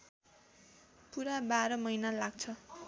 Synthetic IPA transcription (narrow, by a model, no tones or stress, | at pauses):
puɾabaɾʌmʌjnalaɡ̚t͡sʰʌ